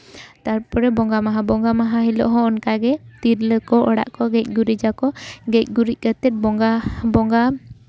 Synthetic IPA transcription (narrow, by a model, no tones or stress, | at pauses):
t̪aɾpɔɾɛbɔŋɡamaɦabɔŋɡamaɦaɦilɔ̰ʔɦɔ̃ɔnkaɡɛt̪iɾləkɔʔɔɽa̰ʔkɔɡɛc̚ˀɡuɾid͡ʒakɔɡɛc̚ˀɡuɾic̚kət̪ɛt̪̚bɔŋɡabɔŋɡa